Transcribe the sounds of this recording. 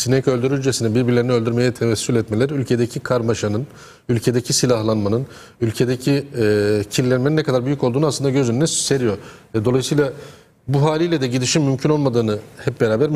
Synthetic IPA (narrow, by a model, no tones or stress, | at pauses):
sinekʰø̞lʲd̪yɾyld͡ʒesinɛbiɾbiɾlʲeiniølʲd̪yɾme̞jɛt̪ʰevɛsːylʲɛt̪melʲæɾylʲcʰe̞d̪ecʰikʰaɾmaʃanɯn | ylʲcʰe̞d̪ecʰisilʲaɦlˠanmanɯn | ylʲcʰe̞d̪ecʰi | cʰillʲɛnmeninːɛkʰad̪aɾbyjycolˠd̪uːnasˠɯnd̪aɟø̞zynynɛse̞ɾijo̞ɾvɛd̪oajɯsɯjlˠa | buɦaːlʲijlʲɛd̪ɛɟid̪iʃimmymcʰyno̞lˠmad̪ɯːnɯhɛp̚be̞ɾaːbæɾ